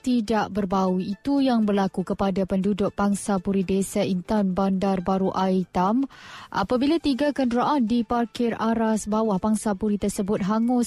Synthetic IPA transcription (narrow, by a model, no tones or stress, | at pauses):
t̪idaʔbərbauit̪ujaŋbərlakukəpadapəndudʊk̚b̥aŋsapuɾidesaint̪anbandarbaɾuʔait̪amʔa̰pabilat̪iɡakəndɾaʔandiparkɪraɾasbawahbaŋsapuɾit̪ərsəbʊt̪̚ɦaŋʊs